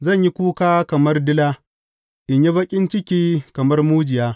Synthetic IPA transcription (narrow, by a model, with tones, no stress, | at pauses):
zɐ˦˨ɲji˦kʷuː˦kaː˦kɐ˨mɐ˦rdɪ˦laː˦ | ʔɪ˨ɲji˦bɐ˦kʲʼɪ˦nt͡ʃɪ˦kʲiː˦kɐ˨mɐ˦rmuː˦d͡ʒɪ˨jaː˦